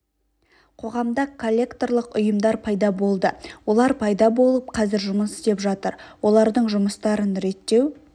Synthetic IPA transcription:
qʰo̞ʁɑmd̪ɑkʰo̞lʲːe̞kt̪o̞rlˠəqʊjəmd̪ɑɾpʰɑjd̪ɑbo̞lˠd̪əwo̞lˠɑɾpʰɑjd̪ɑbo̞lˠəp̚qʰɑzɪɾʒʊməsɪst̪e̞pʒɑt̪əɾwo̞lˠɑɾd̪əɴʒʊməst̪ɑɾənɾe̞t̪ːe̞w

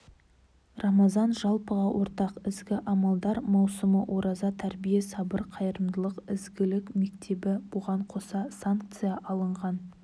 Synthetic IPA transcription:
rʔɑmɑzɑnʒɑlˠpəʁɑwʔo̞ɾt̪ɑqɪzɡʲɪʔɑmɑlˠd̪ɑɾmɑwsəməʔwʔo̞ɾʔɑzɑt̪ʰæɾbijesɑbəɾqʰɑjəɾəmd̪əlˠəqɪzɡʲɪlɪkme̞k̚t̪ʰe̞bɪb̥ʊʁɑɴqʰo̞sɑsaŋk̚t̪sɨjɑʔɑlˠəɴʁɑn

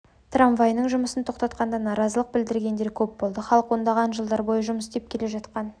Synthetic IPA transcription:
t̪raɱvajnəɴʒʊməsənt̪ʰo̞qt̪ɑt̪qɑnd̪ɑnɑɾɑzəlˠəq̚bɪld̪ɪɾɡʲe̞nd̪e̞ɾkʲʰɵp̚bo̞lˠd̪əχɑlˠəqwo̞nd̪ɑʁɑnʒəlˠd̪ɑɾbo̞jəʒʊməsd̪e̞p̚kʲʰe̞le̞ʒɑt̪qɑn

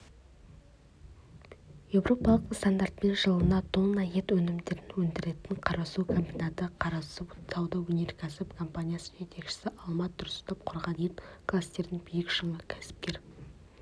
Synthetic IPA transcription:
je̞wɾʔo̞pɑlˠəqst̪and̪aɾt̪̚pe̞nʒəlˠənɑt̪ʰonɑje̞t̪wɵnɪmd̪e̞ɾɪnwɵnd̪ɪɾe̞t̪ɪɴqʰɑɾɑsukʰombʲinat̪əqʰɑɾɑsusɑwd̪ɑwɵne̞ɾkʲʰæsɪpkʰo̞mpanʲijasə̥nʒe̞t̪e̞kʃɪ̥sɪʔɑlˠmɑt̪̚d̪ʊɾɪsst̪ɑp̚qʰʊɾʁɑd̪ejɪnkʰlˠast̪e̞ɾd̪ɪŋbʏjɪkʃəɴɑkʲʰæ̥sɪ̥p̚kʲe̞ɾ

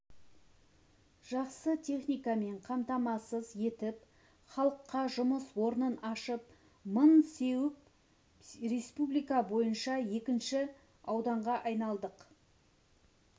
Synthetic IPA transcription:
ʒ̥ɑqsət̪ʲʰe̞χnijkɑme̞ɴqʰɑmt̪ɑmɑsəzje̞t̪ɪp | χɑlˠəqːɑʒʊməswo̞ɾənənɑʃəp̚ | mənse̞wɪp | ɾe̞spublijkɑbo̞jənʃɑje̞kʲɪnʃɪ | ɑwd̪ɑɴʁɑʔɑjnɑlˠd̪əq

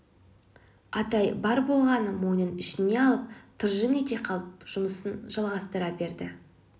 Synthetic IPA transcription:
ɑt̪ɑjbɑɾbolˠʁɑnəmo̞jnənɪʃɪne̞ɑlˠəp̚t̪ʰəɾʒənet̪e̞qʰɑlˠəpʒ̥ʊməsənʒ̥ɑlˠʁɑst̪əɾɑbe̞ɾd̪ɪ

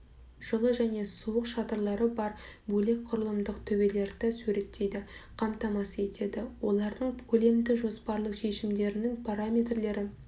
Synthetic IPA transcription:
ʒ̥ʊlˠəʒæne̞suəqʃɑt̪əɾlˠɑɾəbɑɾbɵle̞k̚qʰʊɾəlˠəmd̪əqt̪ʰɵbe̞le̞ɾd̪æsʉɾe̞t̪ʰːe̞jd̪ɪqʰɑmt̪ɑmɑsəe̞t̪ʰe̞d̪ɪwo̞lˠɑɾd̪əɴkʲʰɵle̞md̪ɪʒo̞spɑɾlˠəqʃe̞ʃɪmd̪e̞ɾɪnɪŋpʰaɾamʲe̞t̪rle̞ɾɪ

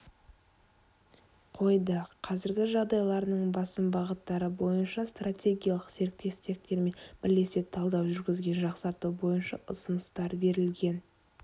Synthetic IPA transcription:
qʰo̞jd̪əqʰɑzɪɾɡʲɪʒɑʁd̪ɑjlˠɑɾənəɴbɑsəmbɑʁət̪ːɑɾəbo̞jənʃɑst̪ratʲe̞ɡʲijɑlˠəqse̞ɾk̚t̪e̞st̪e̞k̚t̪e̞ɾme̞nbɪɾle̞set̪ʰɑlˠd̪ɑwʒʏɾɡʲɪzɡʲe̞nʒɑqsɑɾt̪ubo̞jənʃɑʔʊsʊnəst̪ɑɾbe̞ɾɪlɡʲe̞n

